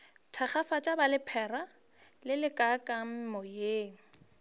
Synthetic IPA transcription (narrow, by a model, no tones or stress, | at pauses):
tʰaχafatʼabalɪpʰɛra | lɪlɪkʼakʼam̩mɔjeːŋ̩